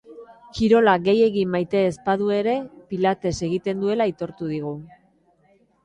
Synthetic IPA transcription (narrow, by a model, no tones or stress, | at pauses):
kiɾo̞laɣe̞je̞ɣimːajt̪e̞ːspaðue̞ɾe̞pilat̪e̞se̞ɣit̪e̞nd̪ue̞lait̪o̞ɾt̪uð̞iɣ̞u